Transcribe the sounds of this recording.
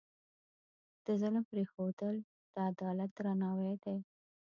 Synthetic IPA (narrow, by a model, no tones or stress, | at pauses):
d̪̥əzələmpɾexod̪əl | d̪̥əad̪ɑlat̪̚d̪ɾanɑwed̪e